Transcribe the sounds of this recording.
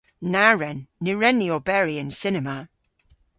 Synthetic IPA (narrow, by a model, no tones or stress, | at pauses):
naɹɛnːɪɹɛniɔbɛɹiə̃nsɪnɛma